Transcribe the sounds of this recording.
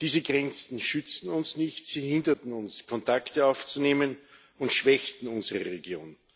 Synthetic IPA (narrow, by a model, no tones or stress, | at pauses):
d̥iːzəɡʁɛnt͡sn̩ʃʏt͡stn̩ʊnsnɪçtsiːhɪndɐtn̩ʊnskʰɔntʰaktəaʊft͡suneːmən | ʊntʃv̥ɛçtn̩ʊnzəʁəʁeɡjoːn